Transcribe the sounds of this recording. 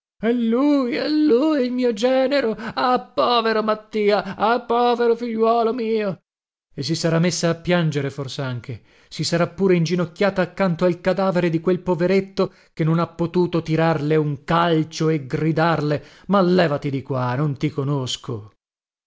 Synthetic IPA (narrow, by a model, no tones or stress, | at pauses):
ɛlːujɛlːuːjilmiːod͡ʒɛːneɾoapːɔːveɾomat̪ːiːaapːɔːveɾofiʎːwɔːlomiːo | es̬ːisaɾamːesːaːpːjand͡ʒeɾeforseaŋk̟ʰe | sisaɾapːuːɾeind͡ʒinokʲːjaːt̪aːkːant̪oalkad̪aːveɾed̪ikwelpoveɾet̪ːo | kenːonapːot̪uːt̪ot̪iɾarleuŋkalt͡ʃoeɡrid̪arle | malːɛːvat̪id̪ikwanont̪ikonoskʰo